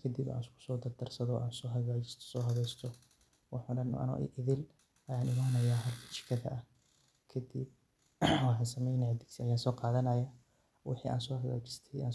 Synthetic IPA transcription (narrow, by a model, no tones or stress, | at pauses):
kʰɐd̪ɪba̰ːnskʰʊ̥sɔːd̪ɐrd̪ɐrsɐðɔːʔaːnsɔːɦɐɣaːt͡ʃɪ̥st̪ʰɔ̥sɔːɦɐβɛjst̪ʰɔ | wɑħʊːɖɐn̰ʔɐ̰nʊ̰ʔʔɪðɪl | ʔɐjaːnɪmaːnɐjaːɦɐrkʰɐ̥t͡ʃɪ̥kʰɐðɐ̰ʔɐh | kʰɐd̪ɪb̚ | wɑħɑːnsɐmɛjnɐʕd̪ɪɡsiɐjaːsɔːqɑːðɐnɐjaː | wɑ̰ħiːʔa̰ːnsɔːhɐɣa̰ːt͡ʃɪ̥st̪ʰɛa̰ːn